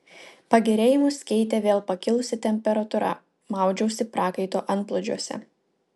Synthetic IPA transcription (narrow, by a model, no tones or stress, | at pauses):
pɐɡʲɛɾʲeːjɪmʊskʲɛɪt̪ʲeːʋʲeːlˠpɐkʲɪlˠʊsʲɪt̪ʲɛmʲpʲɛɾɐt̪ʊɾɐ̰ | mɑˑʊd͡ʒʲɛʊsʲɪpɾɑːkɐɪt̪oːʔɐnt̪plˠʊd͡ʒʲuɔsʲɛ̰